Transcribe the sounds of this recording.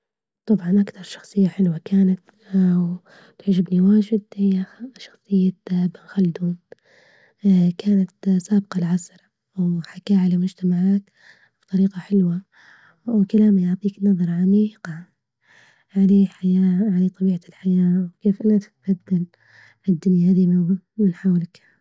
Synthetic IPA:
t̪ˤɑbʕɑnʔakt̪ɑɾˤʃɑ̥xsˤɨjːaħɪlwakaːnat̪ | w | t̪ʕad͡ʒɪbniwaːd͡ʒɪd̪hɪjːaʃɑ̥xsˤɨjːaabɪnxalːd̪uːn | kaːnat̪saːb̚qɑlʕasɾˤɑ | wħakaːʕalamʊd͡ʒt̪amaʕaːt̪ | b̥t̪ˤɑɾiːqɑħɪlwa | wkalaːmajʊʕt̪ˤiːknɑðˤɑɾˤʕamiːqɑ | ʕaleːħajaːʕalaːt̪ˤɑbiːʕalħajaːwkeːfʔɪnːat̪ɪ̥t̪baðːal | ʔɪd̪ːʊnjahaðimɪnħawlak

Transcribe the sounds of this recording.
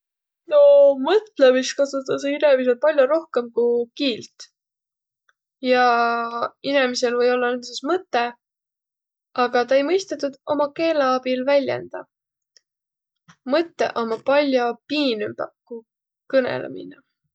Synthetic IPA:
no̞mɤt̪lemist̪kɑsut̪ːˑɑseiɾevis̬el̚pɑlʲjoɾo̞hke̞mkukiːlt̪ | jɑ | inemise̞lvɤ̞jo̞lːɑnensismɤt̪ːˑe̞ | ɑɡ̥ɑt̪ɑe̞jmɤjst̪et̪ːˑud̪̥o̞mɑke̞ːlɑɑb̥ilvælʲjḛnd̪̥ɑ | mɤt̪ːe̞̰ʔo̞mɑpɑlʲjopiːnympɑkːu | kɤnḛlḛmḭnɑ

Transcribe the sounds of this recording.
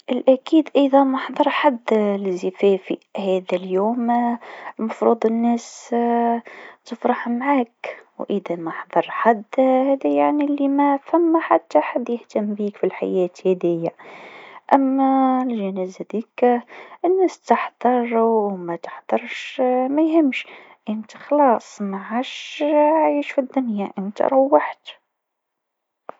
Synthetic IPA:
ʔɪlʔækiːd̪ʔɑjðˤɑmɑħd̪ˤɑɾˤħad̪ːlɪzːɪfæːfihæːðæljuːm | mɑfɾuːd̪ˤənːɛːs | t̪əfɾɑħmʕaːkwʔəðæmɑħd̪ˤɑɾˤħad̪ːhæːðæjaʕnilːimæfhæmːħat̪ːaħad̪ːjɪht̪æmːbiːkfilħa̰jɛːt̪hæd̪ɪjːa | ʔæmːælʒænæzæd̪iːkʔɪnːæst̪əħd̪ˤɑɾˤwmæt̪ə̥ħd̪ˤɑɾˤʃmæjhɪmːʃ | ʔənt̪i̥xɑlɑːsˤmaʕaʃʕiʃfid̪ːʊnjaʔɪnt̪ɾˤɑwːəħt̪

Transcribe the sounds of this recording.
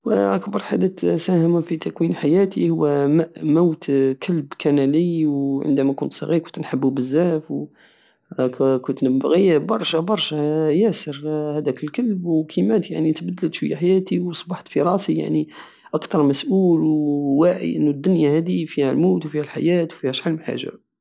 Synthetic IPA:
wʔakbɑɾˤħad̪æt̪sæhəmafit̪ækwinħajæt̪ihʊwːæmæʔmawt̪kʰəlbkænæləjwʕə̰nd̪æmækʊnt̪sˤɑɣiɾkʊnt̪nħəbːubəzːæfw | kʊnt̪nəbbɣibɑɾˤʃæbɑɾˤʃæjæsəɾhæd̪ækəlkəlbwkʰimæt̪ja̰ʕnit̪bəd̪ːəlt̪ʃwəjːaħajæt̪iwsˤbɑħt̪fiɾˤɑsija̰ʕni | ʔɑkt̪ɑɾˤmæsʔulwwaʕḭʔənːud̪ːʊnjahæd̪ifihælmuwt̪wfihælħa̰jæt̪wfihæʃħalmħa̰ʒːa̰

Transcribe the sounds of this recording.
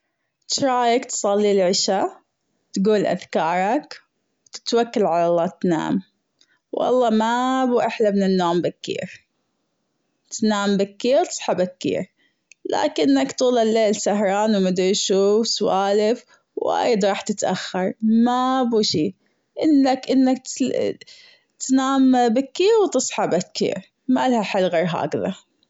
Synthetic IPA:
tɾˤɑːjakt̪sˤɑlːilʕɪʃa | t̪ɡuːlʔa̰ðkɑːɾˤɑk | wt̪ɪ̥t̪wakːalʕalalˤːɑːt̪na̰ːm | wʔɑ̰lˤːɑːmabuːʔɪħlamɪnɪnːoːmbakːḭːɾ | t̪naːmbakːiːɾt̪ɨ̥sˤħabakːḭːɾ | la̰ːkɪnːakt̪uːlɪlːeːlsaɦɾˤɑːnwmad̪ɾiʃuːswaːlɪf | wa̰ːjɪd̪ɾˤɑːħt̪ɪt̪ʔaxːɑɾˤmabuːʃiː | ʔɪnːakʔɪnːak̚ | t̪naːmbɪkːiːɾwt̪ɨsˤħɑbakːḭːɾ | malhaħalːɣeɾɦa̰ːkða

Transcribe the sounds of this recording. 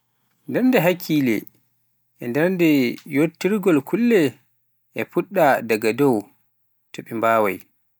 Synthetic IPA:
ndɛɾndɛɦakʰːiːlɛ̰ | ʔɛndɛɾndɛjotːiɾɡɔlkʰulːɛ | ʔɛpuɗːadaɡadɔw | tʰoɓimbaːwa̰j

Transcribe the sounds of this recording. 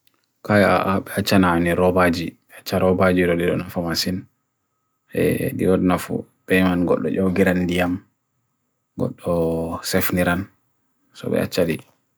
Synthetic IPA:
kaja̰aɓɛat͡ʃːananiɾɔbad͡ʒi | at͡ʃːaɾɔbad͡ʒiɾɔdiɗɔ̰nafamasin | ɛ̰diwɔdnafṵb̥ɛjmanɡɔ̰ɗːɔ̰ʔɔɡiɾandijam | ɡɔ̰ɗːɔsɛfniɾan | sɔ̰bɛ̰a̰t͡ʃːaɗi

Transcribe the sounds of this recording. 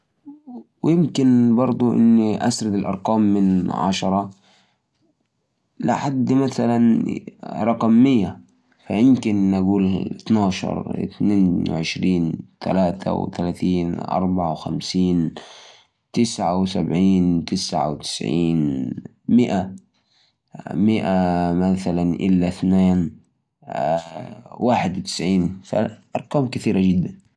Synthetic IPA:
wjɪmkɪnbɑɾˤd̪ˤuʔɪ̰nːiʔa̰sɾɪd̪alʔɑ̰ɾˤqɑːmːɪnʕa̰ʃɑɾˤɑ | lɪ̰ħad̪ːmaθalan | ɾˤɑqɑmːɪjːa | fajɪmkɪnːaɡuːlɪt̪naːʃɑ̰ɾˤɪ̰t̪neːnw̰ʕɪʃɾiːnt̪a̰laːt̪ʰa̰w̰t̪alaːθiːnʔɑ̰ɾˤbaʕawxa̰msiːn | t̪ɪsʕawsabʕiːnt̪ɪsʕa̰wt̪ɪ̥sʕiːn | mɪʔa | mɪʔamaθalanʔɪlːaθneːn | waːħɪd̪wɪt̪ɪ̥sʕiːnfa̰ʔɑɾˤqɑːmkɪθiːɾaɡɪd̪ːan

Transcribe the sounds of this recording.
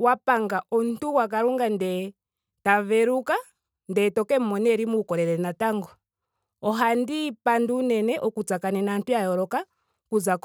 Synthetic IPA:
wapaŋɡaʔɔn̩tuwak̬aɾuŋɡandɛ | tavɛɾuka | ndɛtɔkɛmmɔnɛɾimukɔɾɛɾɛnataŋɡɔ | ɔɦandipanduːnɛnɛʔɔkut͡sakanɛnantujajɔɾɔka | kuzak

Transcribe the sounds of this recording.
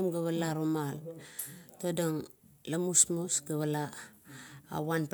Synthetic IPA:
mɡaβalaɾomal | todaŋ | lamusmusɡaβala̰ː | wanp

